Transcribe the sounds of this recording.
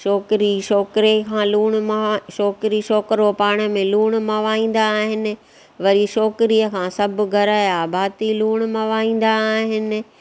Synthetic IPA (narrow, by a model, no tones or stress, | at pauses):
ʃɔːkɾiʃɔːkɾekʰãːluːɽ̃ʃɔːkɾiʃɔːkɾopaːɽ̃əmẽluːɽ̃̆mɐʋaːĩːn̆d̪aːɦɪnɪ̆ | ʋɐɾiʃɔːkɾijəkʰãːsɐbɡʱɐɾaːjabʱaːt̪iluːɽ̃mɐʋaːĩːn̆d̪aːɦɪnɪ̆